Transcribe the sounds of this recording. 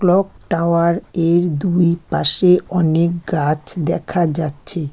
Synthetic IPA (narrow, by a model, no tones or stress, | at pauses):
klɔkʈawaɾeɾd̪ujpaʃeɔnek̚ɡat͡ɕʰd̪ɛkʰad͡ʑatːɕʰe